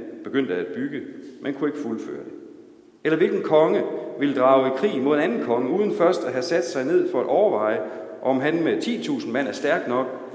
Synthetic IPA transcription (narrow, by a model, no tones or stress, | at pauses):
b̥e̝ɡ̥øn̰d̥əæd̥̚b̥yɡ̥əmenkʰue̝ɡ̥əfulfø̰ːɐd̥e | elɐʋe̝lɡ̥ən̩kʰɒ̽ŋəʋe̝ld̥ʁɑ̈ːʊe̥kʰʁḭːmo̝ð̰ˠe̝nænn̩kʰɒ̽ŋəuːðˠn̩fɶɐsd̥æɦæsæd̥sɑ̈ɪne̝ð̰ˠfɒ̽ædʔɒʊɐʋɑ̈ɪ̰ə | ʔɒ̽mɦænmet͡sʰḭːt͡sʰṵːsn̩mæn̰æɐsd̥æɐɡ̥nɒ̽ɡ̥̚